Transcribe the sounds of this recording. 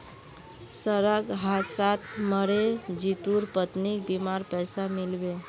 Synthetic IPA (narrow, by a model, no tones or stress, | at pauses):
səɾəɡɦat̪sat̪ʰməɾed͡ʒit̪uɾpət̪nik̚bimaɾpɛsamilbe